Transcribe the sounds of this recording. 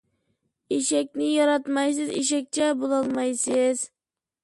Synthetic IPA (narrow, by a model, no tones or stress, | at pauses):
eʃɛkʲnɪjɒɾɑt̪mɑjsɪzḛʃ̬ɛk̚ʲt͡ʃʰabolˠɑlˠmɑjsɪz